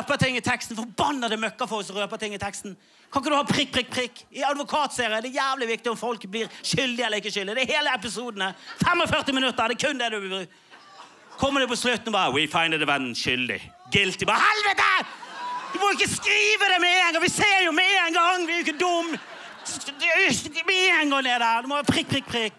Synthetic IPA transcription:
pət̪ʰɪŋːɪt̪ʰɛkst̪n̩fɔbɑnːəd̪ɛmœkːəfɔɔsɾøːpət̪ɪŋːɪt̪ʰɛkst̪n̩ | kʰɑk̬əd̪ʉhɑːpʰɾɪk̚pʰʁɪk̚pʰʁɪkːɪɑd̪ʋʊkʰɑːt̪seːɾɪəd̪ɛjæːʋlɪʋɪk̚t̪ɪʊmfɔlkblɪːɾʃʏld̪ɪɛlːəɾɪkːəʃʏld̪ɪd̪ɛheːləɛp̬ɪsuːd̪n̩əfɛmɔfœʁt̪ɪmɪnʉt̪ːəɾd̪ɛkʰʉnd̪ɛd̪ʉ | kʰɔmːəd̪ɛpɔslʉt̪ːnɔbɑːɾəwɪfɑɪnd̪əʋɛnn̩ʃʏld̪ɪ̰ | ɡɪlt̪ɪbɑːɾəhɛlʋət̪ə | d̪̥ʉmɔɪkːəskɾiːʋəd̪ɛmɛeːnɡɑʋɪseːɾjʊmɛeːnɡɑŋːʋɪæɾjʏɪkːəd̪ʊmː | mɛeənɡɑŋned̪ææd̪ʉmɔʋɑːpʰɾɪk̚ːpʰʁɪk̚pʰʁɪk

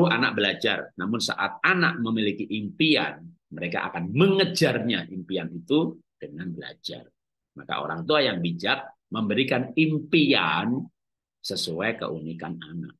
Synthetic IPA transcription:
ʊɦanak̚bəlad͡ʒarnamʊnsa̰ʔat̪̚ana̰ʔ̚məmilikiʔimpia̰n | məɾeka̰ʔa̰kanməŋəd͡ʒarɲaʔimpianit̪ud̥əŋanbəla̰d͡ʒa̰r | maka̰ʔo̰ɾa̰ŋt̪uajaŋbid͡ʒat̪̚ | məmbəɾikanimpian | səsuajkə̰ʔunikanana̰k̚

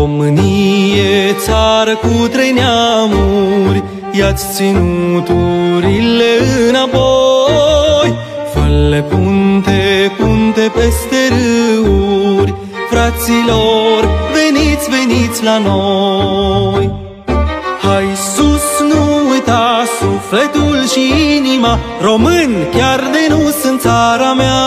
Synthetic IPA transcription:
omɨnijet̪saɾəkut̪ɾe̞jneamuɾʲ | jat̪sʲt̪sinut̪uɾileɨnapo | j | fəlːepunt̪e̞punt̪e̞pe̞st̪e̞ɾɨuɾʲ | fɾat̪silo̞rve̞nit̪sʲve̞nit̪sʲlano | j | hajsusnuujt̪asufle̞t̪ulʃiinimaro̞mɨnʲkʲard̪enusɨnt̪saɾamea

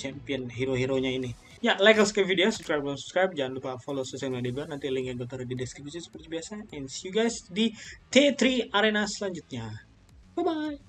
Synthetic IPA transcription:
t͡ʃɛmpiɔnɦiɾoɦiɾoɲaini | jalajkəlskavideosubskɾajb̚amsubskɾajb̚d͡ʒaanlupafolosəsɛnmadibuat̪nant̪iliŋkaŋɡot̪ərdidɛskɾibusisə̥pərt̪ibiasaɛnsjuɡajsdit̪et̪ɾiaɾenasəlaɲd͡ʒut̪̚ɲa | əbaj

